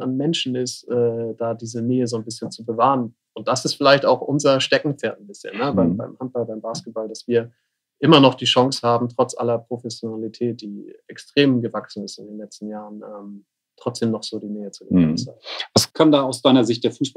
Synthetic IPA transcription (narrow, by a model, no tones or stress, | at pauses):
anmɛnʃn̩ɪstʔɛːd̥aːdiːzəneːəzoːnbɪsçənt͡subəvaːʁən | ʔʊnt̚d̥asɪstfɪlaɪçta̰ʊxʔʊnzɐʃtɛkŋ̩t͡sɛːɐt̚n̩bɪsçə̰nːəbaɪmba̰ɪmhant̚b̥albaɪmbaːskət̚b̥aldasv̥iːɐ | ʔɪmɐnɔχd̥iːʃɔŋshaːbm̩tʁ̥ɔt͡sʔa̰lɐpʁ̥ofɛsjonalitʰɛːt̚d̥iːʔɛkstʁ̥eːmɡəvaksn̩ɪstɪndeːnlɛt͡stn̩jaːʁənʔɛːm | tʁ̥ɔt͡sd̥eːmnɔχz̥oːdiːneːət͡suɡəsa̰vaskʰandaːaʊsd̥aɪnɐzɪçt̚d̥eːɐfuːs